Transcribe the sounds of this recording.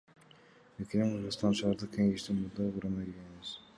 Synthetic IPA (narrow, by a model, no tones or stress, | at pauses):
ekʲiniɴqʰɯɾʁɯzst̪ɑnʃˠɑɾd̪ɑkʲʰeŋeʃt̪enmud̪ɑuɾɑnɑelʲɡʲeniβiz̥